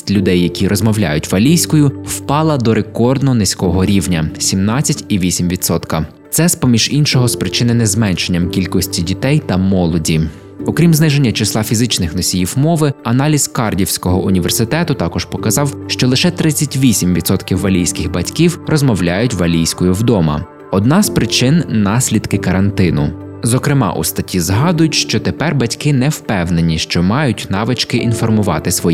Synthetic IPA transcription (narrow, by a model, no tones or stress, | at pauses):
tʲlʲʊd̪ɛjːɐkʲiɾʔɔzmɔwlʲa̰jʊtʲʋɐlʲijsʲkɔjʊw̥pɑlˠɐd̪ɔɾekɔrd̪nɔɦɔnɪsʲkɔɦɔɾʲiwnʲɐsʲimnɑt͡sʲːɐtʲiʋʲisʲimʋʲit̪sɔt̪kɐ | t̪sɛspɔmʲiʒ̥inʃɔɦɔspɾɪt͡ʃɪnɪnɛzmɛnʃenʲːɐmkʲilʲkɔsʲtʲidʲit̪ɛjt̪ɐmɔlˠɔdʲi | ɔkɾʲimznɪʒe̞nʲːɐt͡ʃɪslˠɑfʲizɪt͡ʃnɪxnɔsʲijiwmɔʋɪɐnɑlʲiz̥kɑrdʲiwsʲkɔɦɔʔʊnʲiʋe̞̰rsɪt̪ɛt̪ʊt̪ɑkɔʒ̥pɔkɐzɑwʃt͡ʃɔlˠɪʃɛt̪ɾɪt͡sʲːɐtʲʋʲisʲimʋʲid̪sɔt̪kʲiwːɐlʲijsʲkɪxbɐtʲkʲiwrɔzmɔwlʲajʊtʲʋɐlʲijsʲkɔjʊwd̪ɔmɐ̰ | ɔd̪nɑzpɾɪt͡ʃɪnːɑsʲlʲid̪kɪkɐɾɐnt̪ɪnʊ | zɔkɾɪmɑ̰ʔṵst̪ɐtʲʰizɦɑd̪ʊjʊtʲʃt͡ʃɔt̪epɛrbɐtʲkɪnɛwpɛwne̞nʲiʃt͡ʃɔmɑjʊtʲnɑʋɪt͡ʃkɪʔinfɔrmʊʋɑ̰t̪ɪsʋɔji